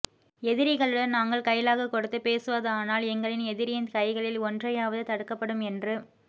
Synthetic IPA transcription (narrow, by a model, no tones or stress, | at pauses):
ɛðɪɾɪɣɐɭɯɽɐnnaːŋɡɐɭkɐjlaːɣɐkːɔɽɯt̪ːɯpːeːsɯʋɐðɯaːnaːlɛŋɡɐɭɪnɛðɪɾɪjɪnkɐɪɣɐɭɪlɔndrɐjaːʋɐðɯt̪ɐɽɯkːɐpːɐɽɯmɛndrɯ